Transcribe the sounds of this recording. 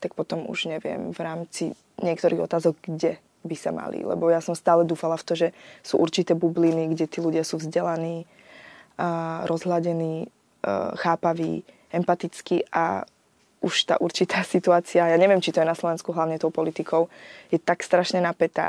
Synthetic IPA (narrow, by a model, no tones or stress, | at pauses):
t̪ak̚pɔt̪ɔmṵʒ̥ɲɛʋɪɛ̰mvɾaːmt͡si | ɲɪɛkt̪ɔɾiːɣɔ̰t̪aːzɔɡɡɟɛ | bisama̰lḭlɛ̰bɔjasɔmst̪aːlɛd̪uːfalaft̪ɔʒɛsṵːʔuɾt͡ʃit̪ɛːbubliniɡɟɛt̪iːluɟɪasuːvzɟɛlaniː | ɾɔzɦlaɟɛniː | xaːpaʋḭː | ɛmpat̪it͡skiʔa̰ | uʃt̪a̰ːʔuɾt͡ʃit̪aːsit̪uaːt͡siajaːɲɛʋɪɛmt͡ʃit̪ɔjɛnaslɔʋɛnskuɦlaʊɲɛt̪ɔʊpɔlit̪ikʰɔʊjɛt̪akst̪ɾaʃɲɛnapɛt̪a̰ː